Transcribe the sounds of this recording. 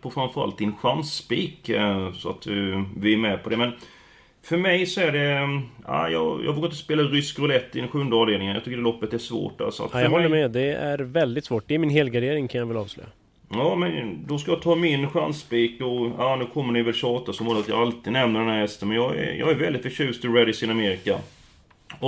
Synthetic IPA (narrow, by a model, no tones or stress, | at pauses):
pʰɔfɾanfœɾa̰lt̪̚d̪ɪnɧansbiːksɔa̰t̪̚d̪ɵvɪmɛpʰɔd̪ɛmɛn | fœɾmɛjsɔæɖɛæ̰ɪjɑ̰jʔːvoːɡaɾɪt̪əspeːlaɾʏskɾʊlɛt̪ːɪd̪ɛnɧɵnd̪əɑːvd̪eːlɪŋənjɑ̰t̪ʏkːəɖɛlɔpːət̪æʂvo̰ːʈːa̰lsɔa̰t̪jaɦɔlːəmɛd̪ɛæɾvɛld̪ɪt̪svoːʈ̚d̪ɛɾmɪnɦeːlɡaɖeːɾɪŋkʰanjavɪlɑ̰ːvslœ̰ːja̰ | jɑːmɛnd̪ɔskajɑt̪ʰɑːmɪnɧansbiːkɔanʉ̟ːkʰɔmːəɳɪjvɛlɕɑːt̪asɔmoːd̪əat̪jɑ̰alt̪ɪːd̪nɛmnəɖɛnæɾhɛst̪ənmɛnjɑːɛ̰jɑ̰ːɡæɾvɛld̪ɪt̪fœʂʉ̟ːst̪ɪɾɛd̪ɪsɪnameːɾɪka | ɔ